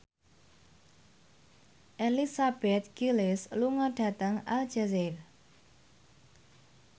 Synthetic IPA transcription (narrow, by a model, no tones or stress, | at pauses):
ʔelisab̥ɛt̪̚ɡ̥ilɪsluŋəɖ̥a̤t̪aŋa̰ld͡ʒazɛr